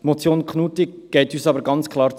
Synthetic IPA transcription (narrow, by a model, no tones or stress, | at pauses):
mɔt͡sjoːnkχnuːti | ɡ̥ɛɪtyːsɑbəɾɡɑnt͡skʰlɑːɾt͡s